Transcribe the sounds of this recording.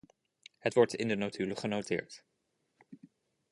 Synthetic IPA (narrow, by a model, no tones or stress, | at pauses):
ɦətʋɔɹtɪ̰ndənotʰyləχənowtɪ̰ːɹt